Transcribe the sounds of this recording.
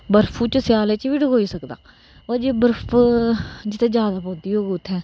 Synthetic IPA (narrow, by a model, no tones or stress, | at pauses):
bəɾfʰuːt͡ʃəsɪjaːleːt͡ʃʋiːɖəɡoːiːsəkd̪a̰ː | aːd͡ʒeːbəɾp | d͡ʒɪt̪ʰẽːd͡ʒjaːd̪aːpõːd̪iːɦoːɡʊt̪ʰːɛ̃ː